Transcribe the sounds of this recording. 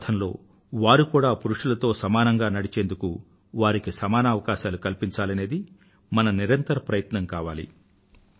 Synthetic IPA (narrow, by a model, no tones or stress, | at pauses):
t̪ʰɐnlo̞ː | ʋaːɾukuːɽaːpuɾuʂulɐt̪o̞ːsɐmaːnɐŋɡaːnɐɽit͡ʃeːnd̪uku | ʋaːɾikisɐmaːnɐaːʋɐkaːʃaːlukɐlpiɲt͡ʃaːlɐne̞ːd̪i | mɐnɐniɾɐnt̪ɐɾɐpɾɐjɐt̪nɐŋkaːʋa̰ːlḭ